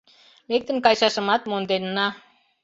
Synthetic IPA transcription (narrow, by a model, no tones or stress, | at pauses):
lek̚t̪ə̆nkɑjʃɑʃə̆mɑt̪̚mond̪ennːɑ